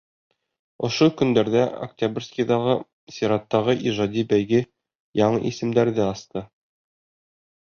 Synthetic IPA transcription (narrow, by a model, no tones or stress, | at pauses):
ŏʃokɵ̆nd̪æɾðæo̰ktʲabʲrʲskʲiðɑʁɤ | sʲiɾɑt̪ːɑʁɤʔiʒɑd̪ʲibæjɡɘ | jɑɴɤ̰ʔisɘ̆md̪æɾðɘɑst̪ɤ